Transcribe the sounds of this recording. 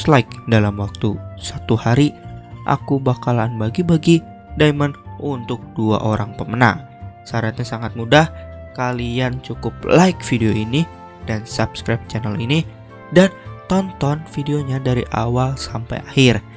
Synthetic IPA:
slajk̚dalamwak̚t̪usat̪uhaɾiʔa̰kubakalaːnbaɡibaɡi | daimanʔunt̪ʊk̚dua̰ʔoɾaŋpəməna̰ŋ | saɾat̪̚ɲasaŋat̪̚mudahkaliant͡ʃukʊp̚lajkfideoini | d̥ansapskɾajp̚t͡ʃanəlini | dant̪ɔnt̪ɔnfideoɲadaɾiʔa̰walsampa̰jahɪr

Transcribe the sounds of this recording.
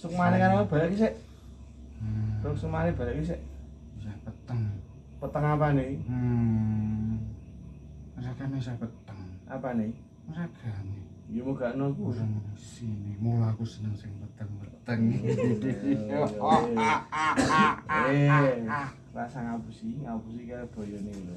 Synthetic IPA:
sʊk̚manekaɾakeb̥a̤jakis̬eʔ | sʊk̚suk̚maneb̥a̤jaʔkis̬eʔ | sahpət̪əŋ | pət̪əŋapane | mɾaɡ̥anesahpət̪əŋapane | məɾaɡ̥ani | ɡimoɡ̥aʔnokuaŋsinimulakusənəŋsɪŋpət̪əŋbəət̪əŋ | e | rasaŋapusiapusikaab̪̥o̤jɔneɡil

